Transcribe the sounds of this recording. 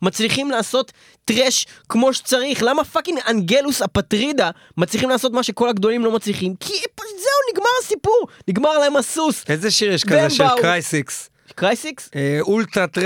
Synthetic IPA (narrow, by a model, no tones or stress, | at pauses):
mat͡sliχimlaːso̞t̪ː | ʁeʃkmo̞ʃe̥t͡saʁiχlamafakiŋanɡelusapat̪ʁid̪a | mat͡sliχimlaːso̞t̪̬maʃeko̞laɡd̪o̞limlo̞mat͡sliχimkʰipzewniɡmaʁasipuʁniɡmaʁlahemasusezeʃiʁjɛʃbkaezeeakʁajsiks | kʁajsiksult̪ʁat̪ʁ